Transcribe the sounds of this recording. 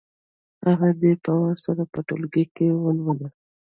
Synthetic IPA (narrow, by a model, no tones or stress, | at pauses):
haɣad̪epawɑsaɾapəʈolɡekewəlwəla